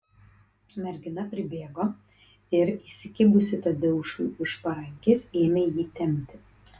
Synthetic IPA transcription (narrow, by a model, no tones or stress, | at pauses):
mʲɛɾʲɡʲɪnɐpʲɾʲɪbʲeːɡoː | ɪɾiːsʲɪkʲɪbʊsʲɪt̪ɐd̪ʲɛʃɪʃpɐɾɐŋʲkʲeːseːmʲeːjiːt̪ʲɛmʲt̪ʲɪ